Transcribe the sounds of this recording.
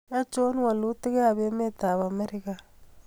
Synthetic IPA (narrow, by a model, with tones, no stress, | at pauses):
a˦t͡ʃo˦n˦wa˨lu˦ti˦ɣe˦a˨βe˦me˦t̪a˨βa˨me˦ɾi˦ka˨